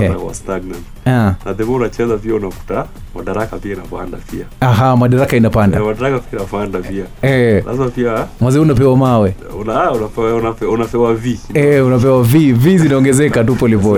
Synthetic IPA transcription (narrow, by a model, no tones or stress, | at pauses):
kwa̰staɡnan | anaðɛmaunat͡ʃɛzapiaunafu̥ta | ma̰ɗaɾakapiainapa̰nda̰piaaɦamaɗaɾakainapandamaɗaɾakapiainapandaiaɛlʔa̰zimapiamwaziunap̬ɛwamawɛ | unaunapɛwaunapɛunapɛwaviɛunap̬ɛwavivizinaɔŋɡɛzɛkatupɔlipɔ